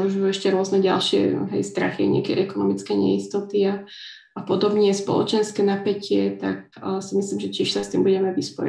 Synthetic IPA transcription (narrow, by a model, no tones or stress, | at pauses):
uʒiuɛʃcɛɾʊɔznɛɟa̰lʃɪɛ̰ɦɛ̰jst̪ɾaxia̰ɲɪ̰a̰kɛ̰ʔɛkɔnɔmit͡skɛɲɛ̰ist̪ɔt̪ia | apɔd̪ɔbɲɛspɔ̰lɔ̰t͡ʃɛnskɛːnapɛcɪɛt̪ak̚simisliːmʒɛcɪɛʃsast̪iːmbuɟɛmɛʋispɔ̰j̰